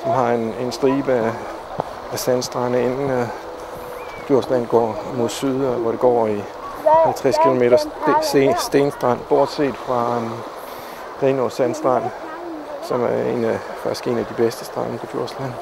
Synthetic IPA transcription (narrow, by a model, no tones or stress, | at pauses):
sɒmɦɑ̈e̝ne̝nsd̥ʁiːb̥əæ | æsænsd̥ʁɑnəe̝nn̩ | ɡʰjuɐslænɡ̥ɒ̰ːmo̝ð̰ˠsyð̞ˠʋɒɾ̥e̝ɡ̥ɒ̰ːi | hælt͡sʰʁɛskʰilo̝me̝̰ːɾɐ | sd̥e̝nsd̥ʁɑ̈n̰b̥ɒːd̥se̝̰ːd̥fʁɑ̈ | ʁiːnosænsd̥ʁɑ̈n̰ | sɒ̽mæɐe̝̰næ | fɑɡ̥i̥sɡ̥e̝̰næd̥ib̥esd̥əsd̥ʁɑ̈n̰pʰɒ̽ɡ̥ʰjuɐ̰slæn̰